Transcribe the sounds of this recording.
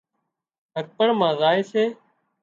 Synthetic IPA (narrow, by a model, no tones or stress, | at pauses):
ɦək̚pəɳmãːzaːeːseː